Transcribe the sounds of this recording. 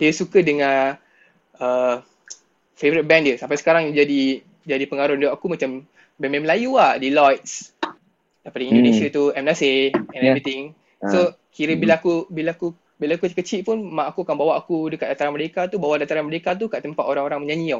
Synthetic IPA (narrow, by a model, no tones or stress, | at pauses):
diəsukədəŋã | ə | fevəɾit̪̚bɛndəsampajsə̥kaɾaŋd͡ʒadi | d͡ʒadipəŋaɾʊnduʔakumat͡ʃam | bɛmɛməlajuahdilɔjt̪̚s | dapadindonesiat̪uɛmnaseɛnɛvɾit̪ɪŋ | so | kiɾəbilakubilaku | bilakukət͡ʃiʔ̚punmãʔakuakanbawaʔakudəkat̪ʔ̚dat̪aɾanməɾekat̪ubawaʔdat̪aɾanməɾekat̪̬ukaʔt̪əmpat̪oɾaŋoɾaŋməɲãɲia